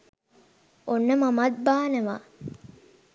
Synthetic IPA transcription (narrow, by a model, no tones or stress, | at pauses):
onːəmɐmɐt̪̚baːnəʋa̰